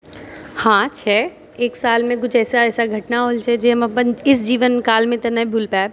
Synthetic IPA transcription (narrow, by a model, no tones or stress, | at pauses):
hãːt͡ʃʰɛː | eːksaːlmẽk̬ʊt͡ʃʰɛːsaɛːsaɡʱɐʈnaɦoːlt͡ʃʰɛd͡ʒemɐpənɪs̬d͡ʒiːʋənkaːlmẽt̪ɐnabʱuːlpɛːb̚